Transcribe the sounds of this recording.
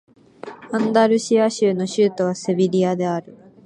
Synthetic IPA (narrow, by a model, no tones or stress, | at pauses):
ãnd̪aɾɯ̟ɕiaɕɨːno̞ɕɨːt̪o̞β̞asebʲiɾʲiad̪e̞aɾɯ̟